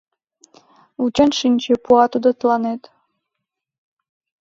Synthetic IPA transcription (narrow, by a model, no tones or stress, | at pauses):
ut͡ɕɑnʃinʲt͡ɕepuɑt̪ud̪ot̪lɑnet̪